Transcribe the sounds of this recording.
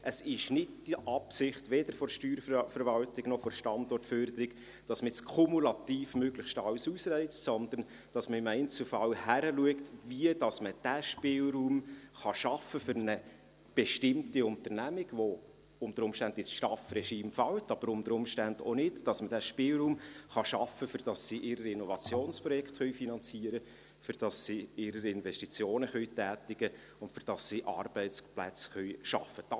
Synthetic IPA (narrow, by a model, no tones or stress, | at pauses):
ʔəsɪʃnɪdd̥iʔɑpsɪχtʋɛd̥əɾfɔɾʃtyːɾffəɾʋɑltɪɡ̥nɔχfɔɾʃtɑnd̪ɔrtfœɾd̪əɾɪɡ | d̥ɑsmət͡skʰɔmulɑtiːfmøɡlɪχʃtɑwsusɾɛɪt͡stsɔnd̪ən | d̥ɑsməɪmæɪnt͡sulfɑlhæɾəluəktviədɑsməd̥æʃpɪːlɾuːmχɑʃɑfəfʏɾnə | b̥ɛʃtɪmtiʊntəɾnæmɪɡ̥ʋo | ʊntəɾʊmʃtændɪsʃtɑfrɛʃiːmfɑwtɑb̥əɾʊmt̪əɾʊmʃtændo̰nɪtd̥ɑsmədæʃpɪːlɾuːmχɑʃɑfəfʏɾd̥ɑsːiʔɪɾəɾɪnɔvɑt͡sjoːnspɾɔjɛkχt̪χœʏfinɑnt͡siːəɾə | fʏɾd̥ɑssiɪɾəɾɪnvɛʃtit͡sjoːnəχœɥtæːtɪɡ̥ə | ʊntfʏɾd̥ɑssiʔɑ̰ːrb̥ɛɪtsplæ̰t͡sχœɥʃɑ̰fːəd̥ɑ